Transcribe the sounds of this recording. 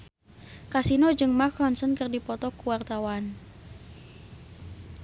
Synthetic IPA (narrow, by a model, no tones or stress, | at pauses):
kasinod͡ʒɨŋmakɔnsənkərdipɔt̪ɔkuwart̪awan